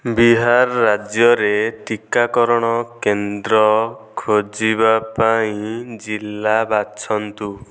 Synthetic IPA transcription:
biɦaɾːad͡ʒjɔɾetikakɔɾɔɽ̃ɔkend̪ɾɔkʰod͡ʒibapaĩd͡ʒilːabat͡ʃʰɔnt̪u

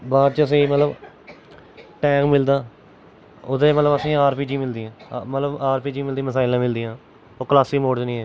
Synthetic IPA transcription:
baːɾt͡ʃəəs̬ĩːmət̪ləb | ʈɛ̃ːkmɪld̪aː | ʊd̪ẽːmət̪ləbəsĩːaːɾpiːd͡ʒiːmɪld̪iːãːmət̪ləbaːɾpiːd͡ʒiːmɪld̪ĩːməsaːɪlãːmɪld̪iːãː | oːkəlaːsiːmoːɖd͡ʒnĩːɦɛː

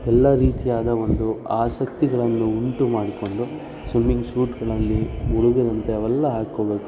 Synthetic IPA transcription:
ɛlːɐɾiːt̪ijaːd̪ɐʋo̞nd̪uaːsɐkt̪iɡɐɭɐnːuuɳʈumaːɽiko̞ɳɖu | sʋimiŋɡsuːʈɡɐɭɐlːiuɭuɡɐd̪ɐnt̪eɐʋɛlːɐɦaːkːoːbe̞ːku

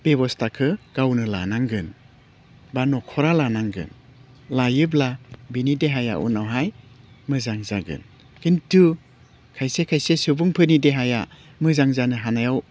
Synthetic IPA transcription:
b̥ebɔstʰakʰɯɡ̥awnɯla̰naŋɡɯn | banɔkʰɔɾalanaŋɡɯ̰n | lajɯblabinideɦaja̰ʔṵnawɦaj | mɯzaŋzaɡɯ̰n | kintu | kʰajsekʰajsesɯbuŋpʰɯnideɦaja | mɯzaŋzanɯɦanajaw

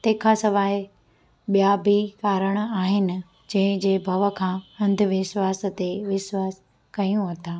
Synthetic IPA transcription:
t̪eːkʰasɐʋaːɪ | ɓijabʱikaːɾəɽ̃aːɦɪnɪ̆ | d͡ʑɐ̃ɦɪ̃d͡ʑeːbʱɐʋə̆kʰãːɐ̃nd̪ʱʋɪʃwaːs̆t̪eʋɪʃwaːs | kɐjũɦɐt̪aː

